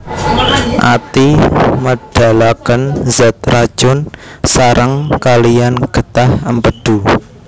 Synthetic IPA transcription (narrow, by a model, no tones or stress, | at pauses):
ʔa̰t̪iməɖ̥a̤lakənzɛt̪̚rḁʒ̥ʊnsaɾʔəŋkalijanɡ̥ə̤t̪ahəmpəɖ̥ṳ